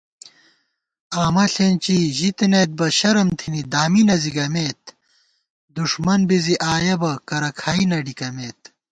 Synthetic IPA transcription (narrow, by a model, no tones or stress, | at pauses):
aːmɐɬent͡ɕiʑit̪inet̪̚bɐɕɐɾɐmt̪ʰinid̪aːminɐziɡɐmeːt̪ | d̪uʂmɐnbiziʔaːjɐbɐkɐɾɐkʰaːinɐɖikɐmeːt̪̚